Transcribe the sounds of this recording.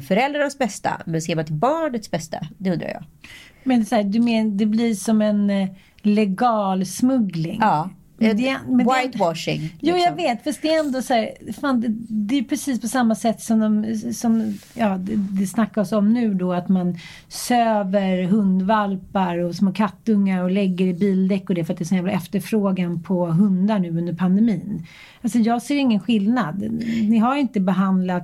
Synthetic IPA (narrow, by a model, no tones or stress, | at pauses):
fœɾɛld̪ɾanasbɛst̪a̰mɛnseːɾmant̪ʰɪlbɑːɳət̪sbɛst̪a̰d̪ɛɵnɾa̰jɑ̰ːɡmɛnsæːd̪ɵmed̪ɛblɪʂɔmɛn | lɛɡɑːlsmɵɡlɪ̰ŋɑː | mɛd̪ɛmɛnwajt̪wɑʂɪ̰ŋjuːjɑɡveːt̪fast̪d̪ɛɛnd̪ɔsæːɾfaːnd̪ɛd̪ɛːjpʰɾɛsiːspʰɔsamːasɛt̪ːsɔmd̪ɔmsɔmjɑːd̪ɛd̪ɛsnakːaɔsɔmnʉ̟ːd̪ɔat̪man | søːvəɾɦɵnd̪valpaɾɔsmoːkʰat̪ːɵŋːaɾɔlɛɡːəɖɛbiːld̪ɛkːɔd̪ɛfœɾat̪̚d̪ɛːsɔnjæːvlaɛft̪əɾfɾoːɡanpʰɔɦɵnd̪aɳʉ̟ːɵnd̪əɾpʰand̪ɛmiːn | alsɔjɑːɡseːɾɪŋːənɧɪlnad̪nɪɦajɪnt̪əbɛɦand̪lat̪